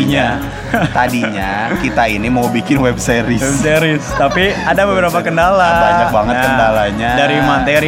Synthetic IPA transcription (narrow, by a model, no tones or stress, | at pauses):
ɲa | t̪adiɲakit̪ainimawbikɪnwɛb̚seɾɪsɛbseɾɪst̪apiadabəbəɾapakəndalabaɲabaŋət̪kəndalaɲadaɾimant̪eɾi